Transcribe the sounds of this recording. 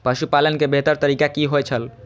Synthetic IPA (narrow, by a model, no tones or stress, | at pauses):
pəʃupalənkebʱeɦt̪əɾt̪əɾikakiɦojt͡ʃʰəl